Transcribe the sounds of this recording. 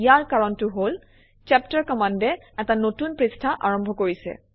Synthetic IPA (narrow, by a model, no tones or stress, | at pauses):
ijaɹkaɹɔntʊɦol | t͡ʃɛp̚taɹkɔmandɛ | ɛtanotunpɹistʰaʔaɹɔmbʱɔkoɹisɛ̰